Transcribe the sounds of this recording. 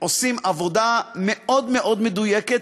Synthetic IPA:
osimavo̞dameod̪meʔo̞d̪med̪ujeket

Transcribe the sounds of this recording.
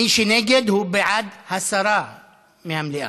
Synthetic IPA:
iʃineːɡɪd̪hubɪʕad̪hasːɑɾˤɑːʕ | mihamliʔa̰

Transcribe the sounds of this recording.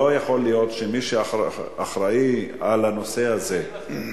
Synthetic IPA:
ojaχo̞lijo̞tʃemiʃeaaχɾaialano̞se̞aze̞

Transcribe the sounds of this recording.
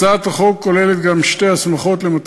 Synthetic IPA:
at̪aχo̞kkːo̞lelet̪ɡamʃte̞jhasmaχo̞t̪lemat̪

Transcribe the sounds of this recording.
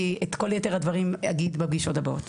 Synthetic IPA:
iet̪ko̞ljoteʁhadvaʁimaɡid̪bebɡiʃo̞tabaot

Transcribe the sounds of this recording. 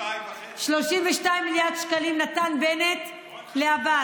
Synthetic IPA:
ʃlo̞ʃimveʃtajimːiljaʁd̪ʃkalimnat̪anbenet̪ | leaba

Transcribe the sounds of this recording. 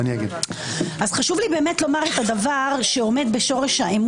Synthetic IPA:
niaɡid | ʔazχaʃuvlibe̞ːmetlo̞maʁetadavaʁʃeo̞me̞d̪be̞ʃo̞ʁe̞ʃhaem

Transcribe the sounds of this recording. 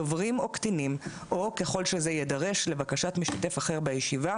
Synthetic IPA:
ovʁimo̞ktinim | ʔo̞ke̞χo̞lʃe̞zejedaʁe̞ʃle̞vakaʃatmiʃtate̞faχeʁbejeʃiva

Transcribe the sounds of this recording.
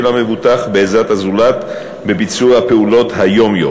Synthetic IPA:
lamevut̪aχbeezat̪hazulat̪ | be̞bit͡suʁhapeulo̞thajo̞mjo̰

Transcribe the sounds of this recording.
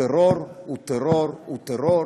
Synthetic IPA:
eroɾut̪eroɾut̪ero

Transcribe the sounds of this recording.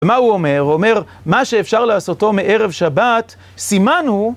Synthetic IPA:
emauome̞ʁome̞ʁ | maʃeːfʃaʁleaːsoto̞meʔe̞ʁe̞vʃabat̪ | simanhu

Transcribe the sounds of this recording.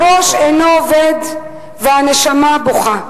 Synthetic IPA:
ɾo̞ʃejnooved̪ | veaneʃamaboχa

